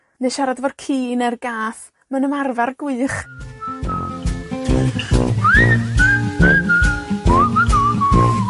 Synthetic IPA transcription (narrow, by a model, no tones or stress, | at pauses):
nɨʃaɾadvɔdkʰiːnɛrɡaːθ | mənəmarvarɡwɨːχ